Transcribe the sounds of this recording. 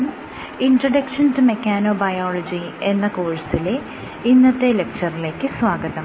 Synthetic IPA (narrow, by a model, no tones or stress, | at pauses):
m | iɳɖrɐɖɐkʂɐndɨmekʲːaːno̞ːbɐjoːlɐd͡ʑienːɐkoːɻsile | inːɐt̪ːelek̚t͡ɕɐrile̞ːkːɨsʋaːɡɐðɐm